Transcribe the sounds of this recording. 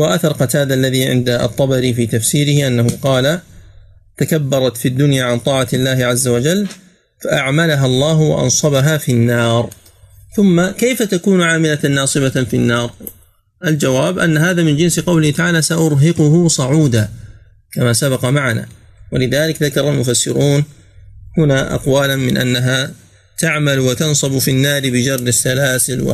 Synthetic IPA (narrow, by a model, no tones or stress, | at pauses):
waʔaθɑɾˤqɑt̪aːd̪ʔalːaðiːʕɪ̰nd̪a̰t̪ˤːɑbɑɾifiːt̪afsiːɾɪhʔanːahʊqɑːla | t̪akabːɑɾˤɑt̪fid̪ːʊnjaːʕant̪ˤɑːʕalːaːhɪʕazːawad͡ʒalː | faʔaʕmalaɦalˤːɑːɦwa̰ʔɑ̰nsˤɑbaɦaːfinːɑːɾˤ | θʊmːakajfat̪akuːnʕaːmɪlanːɑːsˤɨbafinːɑːɾˤ | ʔald͡ʒawaːbʔa̰nːaɦaːðaːmɪnd͡ʒɪnsɪqɑwlɪhɪt̪aʕaːlaːsaʔʊɾɦɪqʊhʊsˤɑʕuːd̪a | kamaːsabɑqɑmaʕana̰ː | walɪðaːlɪkðakɑɾˤɑlmʊfasːɪɾuːn | hʊnaːʔɑ̰qwaːlanmɪ̰nʔa̰nːaɦaː | t̪aʕmalwat̪ɑnsˤɑbfinːaːɾɪbɪd͡ʒɑrˤːɪsːalaːsɪlwa̰